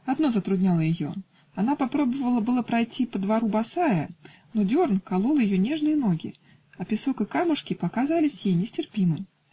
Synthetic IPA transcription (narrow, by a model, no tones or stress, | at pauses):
ɐd̪no̞zət̪ɾʊdʲnʲalˠəjɪjo̞̰ | ɐnapɐpɾo̞bəvəlˠəbɨlˠəpɾɐjtʲʰipəd̪vɐɾubɐsajə | nodʲornkɐlˠulˠjɪjo̞nʲe̞ʐnɨjəno̞ɡʲɪ̰ | ɐpʲɪso̞kəkamʊʂkʲɪpɐkazalʲɪsʲjejnʲɪsʲtʲɪrpʲimɨm